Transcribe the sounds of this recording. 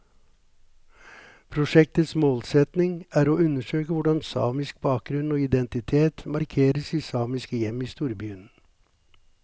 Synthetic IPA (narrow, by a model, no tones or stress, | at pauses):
pʰɾʊʃɛk̚t̪ət̪smoːlsɛt̪nɪŋæːɾoːʉnəʃøːkəʋʊɖɑnsɑ̰ːmɪsk̚bɑːk̚ɡɾʉnoːɪd̪ɛnt̪ɪt̪ʰeːt̪mɑɾkʰeːɾəsiːsɑːmɪskəjɛmiːst̪uːɾbyːn